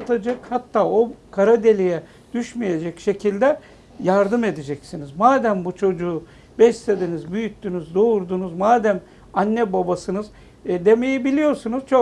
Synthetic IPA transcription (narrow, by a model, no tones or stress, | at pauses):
t̪ʰad͡ʒakhat̪ːaːokʰaɾad̪e̞lʲijɛ | d̪̥yʃmije̞d͡ʒɛcʃe̞cʰilʲd̪ɛ | jaɾd̪ɯme̞d̪ed͡ʒɛcsinizmaːd̪æmbut͡ʃʰo̞d͡ʒuː | bɛst̪ed̪inizbyjyt̪ʰːynyzd̪ouɾd̪unuzmaːd̪æm | anːɛbabasɯnɯz | d̪e̞me̞jibilʲijo̞ɾsunuz̥t͡ʃʰo